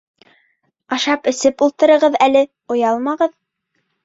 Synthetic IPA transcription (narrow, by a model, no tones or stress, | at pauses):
ɑʃɑpɘ̆sɘpulˠt̪ɤ̆ɾɤ̆ʁɤðælɘ | ŏjɑlˠmɑʁɤð